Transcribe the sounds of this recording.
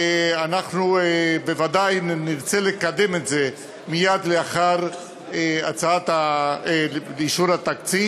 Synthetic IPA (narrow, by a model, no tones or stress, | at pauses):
anaχnubevad̪ajniʁt͡selekad̪e̞metze̞ | mijad̪leaχaʁ | eat͡saat̪a | iʃuɾat̪akt͡si